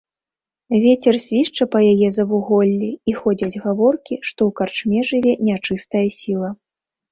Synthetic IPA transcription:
vʲet͡sʲɛrsʲvʲiʂt͡ʂɐpɐjajɛzɐvuɣɔlʲːiixɔd͡zʲɐd͡zʲɣavɔrkʲiʂt̪ɔwkart͡ʂmʲɛʐɨvʲɛnʲat͡ʂɨst̪ɐjɐsʲilˠɐ

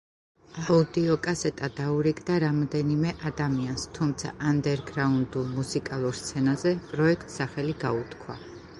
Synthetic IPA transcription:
aud̪iɔkʼasɛt̪ʼad̪auɾiɡʼd̪aɾamɔd̪ɛnimɛʔad̪amianst̪ʰumt̪sʰa̰ʔand̪ɛɾɡɾaund̪ulˠmusikʼalˠuɾst̪sʰɛnazɛpʼɾɔɛkʰt̪ʼsaχɛliɡaut̪kʰwa̰

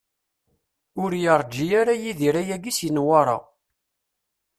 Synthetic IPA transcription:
ʊɾjəɾˤd͡ʒijaɾajiðiɾæjæɡisjinwɑɾˤɑ̰

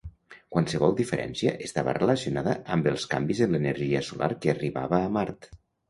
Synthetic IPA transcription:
kwansəβɔlˠd̪ifəɾʔɛ̰nsiəʔəst̪aβə̰reləsiunaðəʔəmbəlˠskambizənlənəɾʒiəsulʔa̰ɾkəːriβa̰βəːmaɾt̪

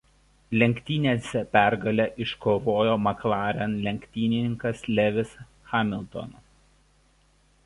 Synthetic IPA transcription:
lʲɛŋʲkʲt̪ʲiːnʲeːsʲɛpʲæˑɾɡɐlʲɛʔɪʃkoːʋoːjoːmɐklˠɑːɾʲɛnlʲɛŋʲkʲt̪ʲiːnʲɪnʲɪŋkɐslʲɛʋʲɪs | xɑːmʲɪlˠʲt̪ɔ̰no

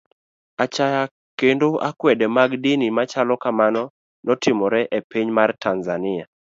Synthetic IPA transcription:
at͡ʃaja | kendoʔakwɛdɛmaɡdinimat͡ʃalɔkamanɔ | nɔtɪmɔɾɛʔepiɲmartʰanzanɪa

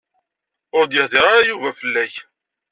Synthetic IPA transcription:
ʊɾd̪jɪʁðiʁaɾajuvæfəlːæç

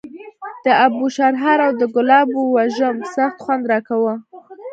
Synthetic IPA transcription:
d̪̥əabuʃaɾɦɑɾawd̪əɡʊlɑbuwaʒəmsaxt̪xwand̪ɾɑkawə

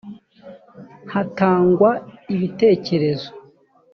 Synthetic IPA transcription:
hataːŋɡwaiβite̞ːce̞ɾe̞zo

